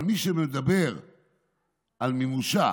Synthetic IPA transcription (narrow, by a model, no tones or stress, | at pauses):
lmiʃemed̪abe̞ʁ | almemuʃa